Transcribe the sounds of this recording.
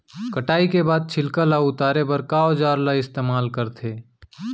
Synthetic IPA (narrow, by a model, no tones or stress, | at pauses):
kəʈaːikebaːd̪̚t͡ʃʰɪlkalaʊt̪aːɾebəɾkaod͡ʒaːɾlaɪst̪eːmaːlkəɾt̪ʰeː